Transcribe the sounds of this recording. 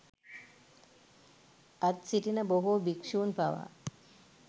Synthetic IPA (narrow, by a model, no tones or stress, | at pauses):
at̪siʈinəboɦubikʂuːnpaʋa̰